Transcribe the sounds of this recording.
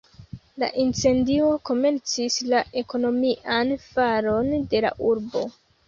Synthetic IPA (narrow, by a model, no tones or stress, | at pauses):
la̰ʔint͡se̞ndio̞ko̞me̞nt͡sislaʔe̞ko̞no̞miʔanfaɾo̞nde̞la̰ʔuɾbo̞̰